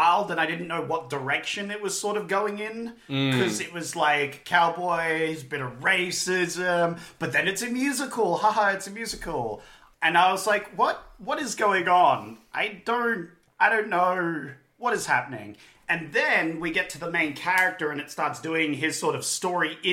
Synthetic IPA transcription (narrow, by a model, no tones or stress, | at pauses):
aɪlˠdɨ̃naɪdɪdⁿn̩noʊwʌt̚d̥ə˞ɛkʃɨ̃nɨt̚wʌz̥sɔɹɾʌvɡoʊɪ̃ŋɪ̃n | kʰʌzɨt̚wʌzlaɪkʰːaʊbɔɪzbɪɾɨvɹeɪsɪzɨ̃mb̥ʌt̪̚ðɨ̃nɨtsɨmjʉzɨkʰl̩ˠhɑhɑɨtsɨmjʉzɨkʰl̩ˠ | ɨ̃naɪwʌzlaɪkwʌt̚wʌɾɨzɡoʊɪ̃ŋə̃nʔaɪdõʊ̃nt | aɪɾõʊ̃nːoʊ | wʌɾɨz̥hæpənɪ̰̃ŋ | ɨ̃nðɨ̃nwiɡɛtʰɨðəmẽɪ̃nkʰæɹɨk̚tə˞ɨ̃nɨtstɑɹtsd̥ʉɪ̃ŋɪz̥sɔɹɾʌv̥stɔɹi